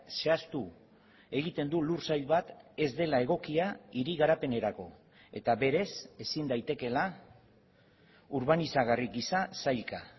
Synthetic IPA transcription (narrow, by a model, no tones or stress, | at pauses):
se̞ast̪u | e̞ɣ̞it̪e̞nd̪ulursajʎβat̪e̞zd̪e̞lae̞ɣ̞o̞kiaiɾiɣaɾape̞ne̞ɾako̞ | e̞t̪aβe̞ɾe̞se̞sind̪ajt̪e̞ke̞la | uɾβanisaɣ̞arikisasajlka